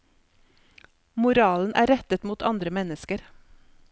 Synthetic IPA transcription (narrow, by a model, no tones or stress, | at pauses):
mʊɾɑːln̩ʔæ̰ːɾɛt̪ət̪muːt̪ʰɑnd̪ɾəmɛnəskəɾ